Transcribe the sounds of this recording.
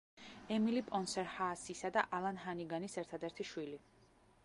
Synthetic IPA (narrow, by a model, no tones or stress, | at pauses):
ɛmilipʼɔnsɛɾhaːsisad̪aʔalˠanɦaniɡanisɛɾt̪ʰad̪ɛɾt̪ʰiʃwili